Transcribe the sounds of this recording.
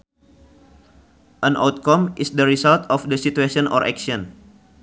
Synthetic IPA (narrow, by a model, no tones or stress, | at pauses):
ʔənʔa̰wt̪̚kɔmʔisdəɾisalt̪ɔfdəsit̪uesiɔnʔɔ̰ɾʔɛ̰ksiɔn